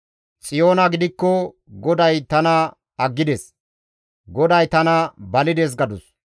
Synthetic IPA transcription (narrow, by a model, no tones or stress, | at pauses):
t͡sʼɪjo̞ːnɐɡɪd̪ɪkːɔ | ɡɔd̪ɐjt̪ɐnɐ | ɐɡːɪd̪ɛs | ɡɔd̪ɐjt̪ɐnɐbɐlɪd̪ɛs̬ɡɐd̪ʊs